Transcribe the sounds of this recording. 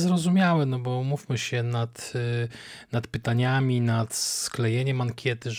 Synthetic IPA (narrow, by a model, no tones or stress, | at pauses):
zɾɔzumʲjawɛnɔbɔmufmɘɕɛnat̪ | nat̪pɘt̪aɲamʲinat̪sklɛjɛɲɛmaŋkʲjɛt̪ɘ